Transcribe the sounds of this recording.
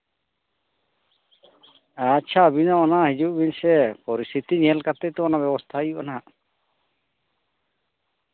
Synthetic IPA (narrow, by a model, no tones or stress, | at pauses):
at͡ʃʰabinaɔnaɦid͡ʒuʔbinsɛpɔɾist̪ʰit̪iɲɛlkat̪ɛt̪ɔɔnabɛbɔst̪ʰajuʔana